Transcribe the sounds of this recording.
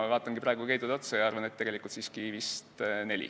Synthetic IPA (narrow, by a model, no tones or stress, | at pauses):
ɑvɑːt̪ːˑɑŋɡipɾrɑˑeɡukejt̪ud̪̥o̞t̪sejɑɑrvɑnet̪ːeɡ̥e̞likˑult̪siːskivist̪ne̞lʲḭ